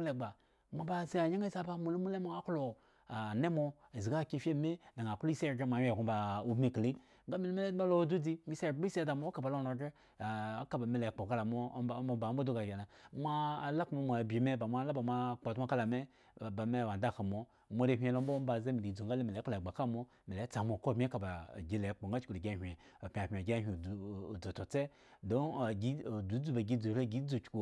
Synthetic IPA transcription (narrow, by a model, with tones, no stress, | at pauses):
le˨ɡ͡ba˨ | mʷa˨ba˦˨ze˦a˨ɲa˦ŋe˦za˦ba˦mo˨le˦mu˦le˦mo˦a˦klo˨ | a˨ne˦mo˧e˨zi˨ɡa˦˨ki˦˨fʲe˦˨me˦da˨ŋa˨ko˦i˦se˦˨ɡe˦mʷ˨a˨˦e˨ɡu˦ba˨o˦bme˦˨kli˦ | ŋɡa˦mi˦le˦me˦le˦ma˦lo˦du˦di˦mi˦se˦˨˦i˦si˦da˨mo˦ka˨ba˨lo˦˨no˨ɡe˦˨ | a˦ka˦ba˨me˨le˨k͡po˨ka˦la˨mo˦˨˦ba˨˦m˦o˦do˦ɡa˨ɡa˨na˨mʷaː˦˨la˦kmo˨mʷ˨a˨bʲi˨me˦ba˨ma˦la˦ba˨mʷa˦˨k͡po˨tmo˦ka˦la˨me˦˨ | ba˨me˦˨wa˨nda˦˨ka˨mo˨ | mʷo˦ɾe˦ɦʲʷe˨lo˦m˦bo˦ba˨za˦mi˨li˨˦d͡zo˨ŋɡa˦le˦mi˨le˨˦k͡plɡ͡ba˨ka˦˨mo˦ | me˨le˨˦t͡sa˨mo˨ko˦˨mʲi˦ka˨ba̰˨ɡʲi˦le˨˦k͡po˨ŋɡa˦t͡ʃku˨le˨ɡʲa˦ɦʲʷe˨ | o˨pʲi˨a˨pʲmʲi˨ɡʲa˦ɦʲʷi˨d͡zo˨to˨t͡se˦ | do˦˨ɡi˦˨du˨˦d͡zu˦ba˨ɡʲi˦d͡zu˨˦e˦˨ɡi˨˦d͡zu˨t͡ʃku˨